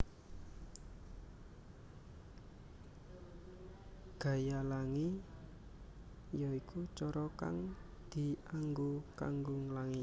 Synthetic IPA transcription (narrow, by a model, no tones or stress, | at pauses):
ɡ̥a̤jalaŋi | jɔikut͡ʃɔɾɔka̰ŋ | d̪̥i̤aŋɡoka̰ŋɡʊŋlaŋi